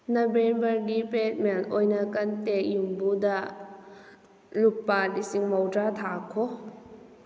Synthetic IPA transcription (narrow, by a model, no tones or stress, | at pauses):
nabembɐrɡipet̪̚mɛlʔɔjnakɐnt̪eʔ̚jumbud̪aʔ | lupːalisiŋmɔwdat̪ʰakʰːɔ